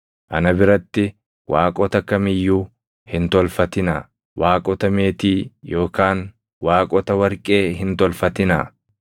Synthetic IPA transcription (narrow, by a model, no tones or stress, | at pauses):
ʔɐnɐbɪɾɐt̪ːɪ | wʔaːkʼɔt̪ɐkːɐmɪjːuː | hɪnt̪ɔlfɐt̪ɪnɐ̰ | waːkʼɔt̪ɐme̞ːt̪iːjo̞ːkaːn | waːkʼɔt̪ɐwɐɾkʼe̞ːɦɪnt̪ɔlfɐt̪ɪnɐ̰